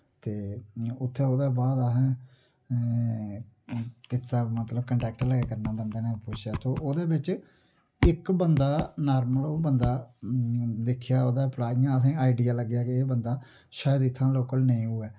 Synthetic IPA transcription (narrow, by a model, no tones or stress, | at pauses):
t̪eːʊt̪ʰːeːoːd̪aːbaːd̪aɦɛ̃ː | kɪt̪ːaːmət̪ləbkəɳʈɛːk̚ʈləɡeːkəɾnaːbənd̪eːnẽːpʊt͡ʃʰjaːt̪oːʔoːd̪eːbɪt͡ʃ | ɪkbənd̪aːnaːɾməloːbənd̪aː | d̪ɪkʰjaːoːd̪aːplaːiãːəs̬ĩːaːiɖiːaːləɡjaːkeːbənd̪aː | ʃaːjəd̪ɪt̪ʰːãːloːkəlnẽĩːuːɛː